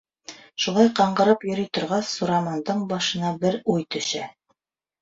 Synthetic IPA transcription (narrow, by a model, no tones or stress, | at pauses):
ʃulˠɑjqɑɴɢɤ̆ɾɤpjɵ̆ɾyjt̪ŏɾʁɑsːuɾɑmɑnd̪ɤɴbɑʃɤ̆nɑbɘɾujt̪ɵ̆ʃæ